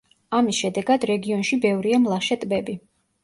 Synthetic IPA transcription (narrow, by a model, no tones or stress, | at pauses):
amisʃɛd̪ɛɡad̪ɾɛɡiɔnʃibɛvɾiamlˠaʃɛt̪ʼbɛbi